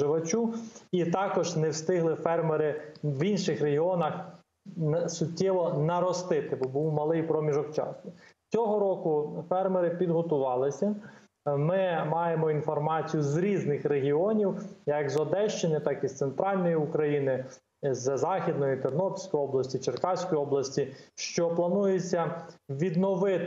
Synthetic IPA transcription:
ɪʋɐt͡ʃuit̪ɑkɔʒnɛwst̪ɪɦlˠɪfɛrmeɾɪwinʃɪxreɦiɔnɐx | sʊtʲːɛʋɔnɐɾɔst̪ɪt̪ɪbɔbuwmɐlˠɪjpɾɔmʲiʒɔkt͡ʃɑ̰snʊt͡sʲɔɦɔɾɔkʊfɛrmeɾɪpʲid̪ɦɔt̪ʊʋɑlˠɪsʲɐ | mɪmɑjemɔinfɔrmɑt͡sʲijʊzɾʲiznɪxreɦʲiɔnʲiwjɐkzɔd̪ɛʃt͡ʃɪnɪt̪ɑkist̪sent̪ɾɑlʲnɔjiʊkɾɐjinɪ | zzɑxʲid̪nɔjit̪ɔrnɔpʲsʲkɔjɔblˠɐsʲtʲit͡ʃerkɑwsʲkɔjɔblˠɐsʲtʲiʃt͡ʃɔplˠɐnujet͡sʲːɐʋʲid̪nɔʋɪt̪

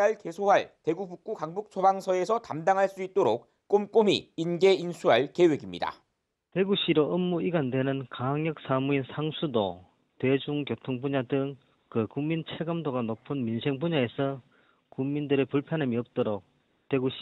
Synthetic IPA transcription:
aɭke̞sʰoɦaɭte̞ɡubuk̚k͈ukaŋbuk̚t͡ɕʰobaŋsʰʌe̞sʰʌtamdaŋɦaɭs͈uit̚t͈oɾok̚ | k͈omk͈omiːnɡe̞insʰuɦaɭke̞we̞ɡimɲida̰ | te̞ɡuɕ͈ʰiɾoːmːuiɡandwe̞nɯnkaɦaŋjʌk̚s͈amuinsʰaŋsʰudo | twe̞d͡ʑuŋkjotʰoŋpuɲadɯŋ | kɯkuŋmint͡ɕʰeɡɯmdoɡanopʰɯnminsʰeŋpuɲaesʰʌ | kuŋmindɯɾepuɭpʰjʌnamiʌp̚t͈oɾok̚ | twe̞ɡuɕ

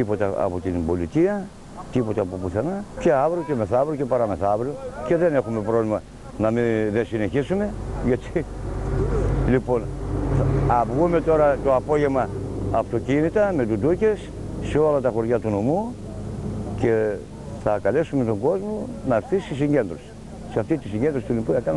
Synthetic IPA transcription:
t̪ipo̞t̪ɐɐ̰pot̪inbo̞lit̪iɐ | t̪ipo̞t̪ɐːpopuθenɐce̞avɾioceme̞θavɾocepɐɾɐme̞θavɾioce̞ðe̞ne̞xume̞pɾo̞vlimɐ | nɐmiðesine̞çisume̞ʝɐt̪i | lipo̞n | ɐvɣume̞t̪o̞ɾɐt̪o̞apo̞ʝe̞mɐːft̪o̞cinit̪ɐmet̪ud̪uces | seolɐt̪ɐxo̞ɾʝat̪unomu | ce̞ | θɐkɐle̞sumet̪o̞ŋɡo̞zmonɐɾθisisiɲɟe̞nd̪ɾos | seɐft̪it̪isiɲɟend̪ɾost̪ulipujɐkɐn

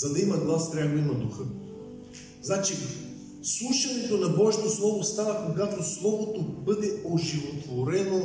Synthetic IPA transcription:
zɐd̪ɐimɐɡlˠast̪ɾʲaɡoimɐd̪uxɤ | znat͡ʃi | slˠuʃɐnɛt̪onɐbɔʒit̪oslˠɔvost̪anɐkoɡat̪oslˠɔvot̪obɤd̪ɛoʒivot̪voɾɛno

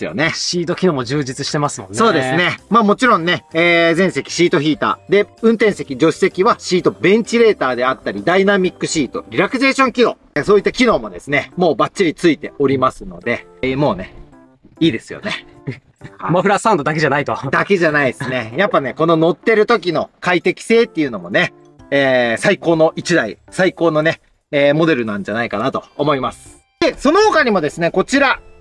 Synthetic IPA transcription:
jo̰ne̞ɕiːt̪okʲinoːmod͡ʑɨːd͡ʑit͡sɨɕi̥t̪e̞masɨmonso̞ːd̪e̞sɨne̞maːmo̞t͡ɕiɾõ̞nːe̞eːzẽ̞ɰ̃se̞kʲi̥ɕiːt̪o̞çʲiːt̪a̰ːd̪e̞ɯ̟̃nt̪ẽ̞ɰ̃se̞kʲid͡ʑo̞ɕi̥se̞kʲiβaɕiːt̪o̞bẽ̞ɲ̟t͡ɕiɾe̞ːt̪aːd̪e̞at̪ːaɾʲid̪ainamʲikːɯ̟ɕiːt̪o̞̰ɾʲiɾakɯze̞ːɕõ̞ŋkʲiɾo̞̰ | soːit̪ːakʲino̞ːmo̞d̪e̞sɨne̞mo̞ːbatt͡ɕːiɾʲit͡sɨit̪e̞o̞ɾʲimasɨno̞d̪e̞ | mo̞ːne̞ | iːd̪e̞sɨjo̰ne̞ | maɸɯɾasãnd̪od̪aked͡ʑanait̪od̪ake̞ʑanaid̪esɨne̞japːane̞ko̞no̞no̞t̪ːe̞ɾɯ̟t̪o̞k̬ʲino̞kait̪e̞kʲi̥se̞ːt̪ːe̞iɯ̟no̞mo̞ne̞ | eːsaiko̞ːno̞ʔit͡ɕid̪aḭsaiko̞ːno̞ne̞ː | mo̞d̪e̞ɾɯ̟nãɲ̟d͡ʑanaikanat̪o̞ːmo̞imasɨ̥ | d̪e̞so̞noɦokaɲ̟imo̞d̪e̞sɨne̞ko̞t͡ɕiɾa

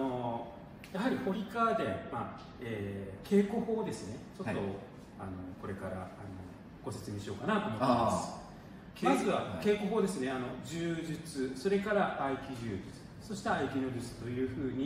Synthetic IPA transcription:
no̞ | jaɦaɾʲiho̞ɾʲikad̪ema | eːkʰe̞ːko̞ho̞ːd̪e̞sɨne̞t͡ɕo̞tt̪ːo | ano̞ko̞ɾe̞kaɾa̰ːno̞̰ | ɡ̥o̞se̞t͡sɨmʲiɕijo̞ːkanat̪o̞ːmot̪ːemasɨ̥ | mazɨβake̞ːko̞ɦo̞ːd̪e̞sɨne̞ano̞d͡ʑɨːʑit͡sɨso̞ɾe̞kaɾaʔaikʲiʑɨːd͡ʑɨt͡sɨ̥ | so̞ɕi̥t̪eaikʲino̞ɾɨt͡sɨ̥t̪o̞jɯ̟ːɸɯ̟ːɲ̟i

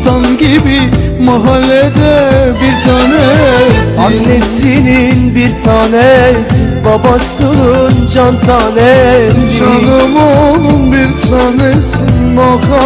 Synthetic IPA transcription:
t̪ʰanɟibi | maɦalːɛd̪ɛbiɾt̪ʰaːnɛ | anːɛsininbiɾt̪ʰaːnɛsinbɑbasɯnɯnd͡ʒant̪ʰanɛd͡ʒanɯmɯnɯnbiɾt̪ʰaːnɛsinmakʰa

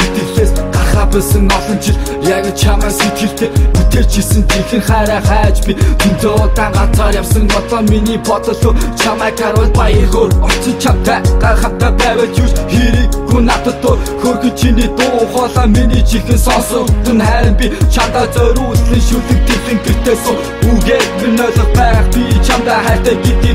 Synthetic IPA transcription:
et̪ɘ̆ɣɮeːsɢarχaːpʊsə̆ŋnɔɮɞ̆nt͡ɕʰiɮ | jaɣ̆t͡ɕʰamæːset͡ɕɪ̆ɬt̪eːut̪eːrt͡ɕʰisɘ̆ŋt̪ʰixɘ̆ŋχæːɾæːχæːt͡ɕpit̪ʰem̥t̪ʰeːɔt̪aːɢat͡saːrjawsə̆ŋnɔt͡sɔːminiːpɔt̪ɞ̆ɮʊ̆ːt͡ɕʰamæːkaɾwəɮpajərɣoːɔ̥t͡ɕɪ̆nt͡ɕʰawt̪ːaχam̥t̪aːpæːwæːt͡ɕuwt͡ɕxeɾɘːujnat̪ə̆t̪ʰːʊxorɣɵ̆t͡ɕʰiniːt̪ʊːʊχɔːɮaːminiːt͡ɕixɘ̆nsɔnsɞ̆t̪ɘ̆nχæːɾə̆mpʲit͡ɕʰant̪aːt͡sœɾuɮɮiːŋʃut̪ɘ̆k̚t̪ʰeɮɘ̆ŋt̪ʰekt̪eːsɘ̆ŋ | uɣeːtĕrnœːɮɞ̆χ̚pæːʁə̆χpit͡ɕʰamt̪æːχæːr̥t̪æːɡet̪iː

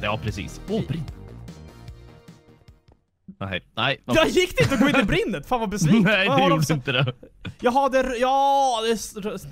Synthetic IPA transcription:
ɑ̰ːpʰɾɛsḭːsobɾɪnː | hɛ̰ɪnɛɪjɑjɪkːd̪ɛɪnt̪əɔɡoːɪnːɪbɾɪnːət̪faːnvabɛsviɛjd̪ɛjuːɖɪnt̪əd̪ɛjɑːɡɦad̪ːəɾjɑːd̪ɛsɾ

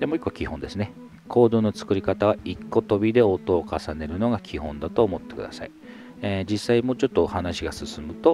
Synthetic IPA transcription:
d̪e̞moikːo̞kʲihõ̞nd̪e̞sɨne̞ | kʰo̞ːd̪o̞ːnot͡sɨ̥kɯ̟ɾʲikat̪aβ̞aikːo̞t̪o̞bʲid̪e̞o̞t̪o̞ːkasane̞ɾɯ̟no̞ɡakʲʰihõ̞nd̪at̪o̞ːmo̞t̪ːe̞kɯ̟d̪a̰sa̰i | d͡ʑisːaimo̞ːt͡ɕo̞t̪ːohanaɕiɡasɨsɨmɯ̟t̪o̞

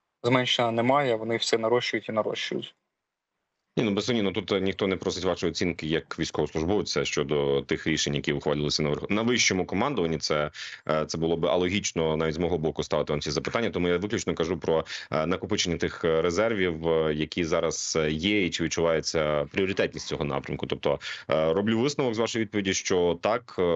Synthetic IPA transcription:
zmɛnʲʃenɐnɛmɑjɛʋɔnɪwsʲɛnɐɾɔʃt͡ʃʊjʊtʲinɐɾɔ̰ʃt͡ʃʊjʊ̰tʲ | nʲinubesˠɔnʲinɔt̪ut̪nʲixt̪ɔnɛpɾɔsɪtʲʋɑʃjɔt͡sʲinkɪjɐkʋʲijsʲkɔʋɔsˠʊʒbɔʋʊtʲt͡ssʲɛʃt͡ʃɔd̪ɔt̪ɪxɾʲiʃeɲʲjɐkʲiʊxʋɐlʲɪlˠɪsʲɐnɐʋnɐʋɪʃt͡ʃɔmʊkɔmɑnd̪ɔʋɐnʲːit̪sɛt̪sɛbʊlˠɔbɪʔɐ̰lˠɔɦʲit͡ʃnɔnɑʋʲitʲzmɔɦɔbɔkʊst̪ɑʋɪt̪ɪʋɑmt͡sʲizɐpɪ̥t̪anʲːɐt̪ɔmujaʋɪklʲʉt͡ʃnɔkɐʒupɾɔnɐkʊpɪt͡ʃenʲːɐt̪ɪxɾezɛrʋʲiwjɐkʲizɑɾɐz̥jɛit͡ʃɪʋʲid̪̚t͡ʃʊʋɑjet͡sʲːɐpɾʲiɔɾʲɪt̪ɛt̚ʲnʲisʲt͡sʲɔɦɔnɑ̰pɾʲɐmkʊt̪ɔp̚t̪ɔrɔblʲuʋɪsnɐʋɔɡzʋɑʃɔjʋʲid̪̚pɔʋʲidʲiʃt͡ʃɔt̪ɑk

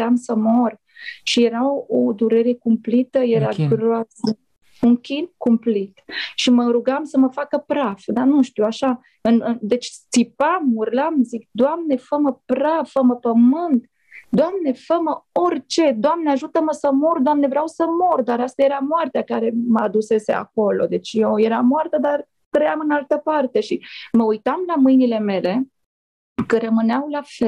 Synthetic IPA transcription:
amsəmor | ʃijeɾaod̪uɾe̞ɾe̞kumplit̪əjeɾaɡɾoasə | uŋkʲinkumplit̪ʃiməɾuɡamsəməfakəpɾafd̪anuʃt̪iwaʃa | ɨnɨd̪e̞t͡ʃt͡s̪ipamurlamzik̚d̪oamne̞fəməpɾafəməpəmɨnt̪ | d̪oamne̞fəməo̞rʲt͡ʃe̞d̪oamneaʒut̪əməsəmord̪oamne̞vɾeawsəmo̞rd̪aɾast̪aje̞ɾamoart̪eakaɾe̞məad̪use̞se̞̰a̰ko̞lo̞̰d̪e̞t͡ʃʲjewje̞ɾamoart̪əd̪ar | t̪ɾəjamɨnalt̪əpart̪e̞ʃiməujt̪amlamɨjnile̞me̞le̞ | kəɾəmɨneawlafel

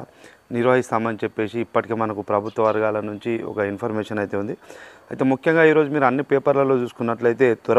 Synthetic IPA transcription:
niɾʋɐɦist̪aːmɐnit͡ʃepːe̞ːsiːpːɐʈikeːmɐnɐkupɾɐbʱut̪ʋɐʋɐɾɡaːlɐnuɲt͡ʃiɔ̰kɐinpʰɐɾmeːʂɐnɐjt̪e̞ːund̪iɐjit̪eːmukʰjɐŋɡaːiːɾo̞ːd͡ʒumiːɾuɐnːipeːpɐɾlɐlo̞ːt͡ʃuːsu̥kunːɐʈlɐjt̪e̞ːt̪uɾ

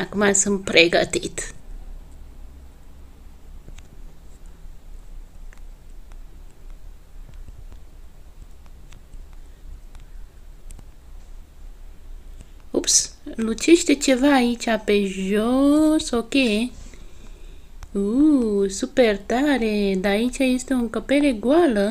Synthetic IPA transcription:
akmasɨmpɾʔeɡa̰t̪ḭt̪ | upslut͡ʃeʃt̪et͡ʃevaːit͡ʃapeʒosoke | usupert̪aɾed̪aaːit͡ʃajest̪e̞uŋkəpeɾeɡwalə

